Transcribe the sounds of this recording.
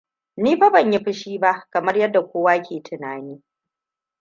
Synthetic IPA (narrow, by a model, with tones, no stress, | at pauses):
niː˦ɸa˦bɐ˨ɲji˦ɸɪ˦ʃiː˦ba˦ʔkɐ˨mɐ˦rjɐ˦dːa˨kʷoː˦waː˦kʲʰeː˨tʰɪ˨naː˨niː˦